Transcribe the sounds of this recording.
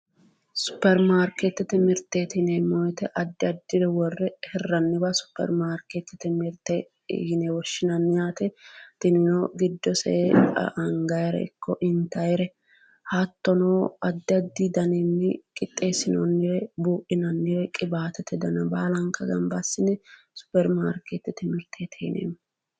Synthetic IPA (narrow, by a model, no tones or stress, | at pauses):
sʊ̥pːɛɾmaːɾket̪ːɛt̪ɪmɪɾt̪ːet̪ɪnemɔjt̪ɛʔɐd̪ːɪɐd̪ːɪɾɛwɔrːɛhɛrːɐnːɪbɐsʊ̥pːɛ̰ɾmaːɾket̪ːɪt̪ɪmɪɾt̪ːɛ | hɪnɛwɔʃːɪnɐnːɪjaːt̪ɛt̪ɪnɪnɔɡɪd̪ːɔsɛ̰ɐŋɡɐjɾɛ̰ɪ̰kʰːɔʔɪnt̪ɐjɛɾɛ | hat̪ːɔnoːɐd̪ːɪɐd̪ːid̪ɐnɪnːɪkʼɪt̪ʼːe̞ːsɪnɔnːɪwɛbuːʔɪnɐnːɪwɛkʼɪbaːt̪ɛt̪ʰɛd̪ɐnɐbaːlɐŋkːɐɡɐ̰mbɐsːɪnɛ | sʊ̥pːɛɾmaːɾket̪ːɪt̪ɪmɪɾt̪ʰet̪ʰɛnʔḛːm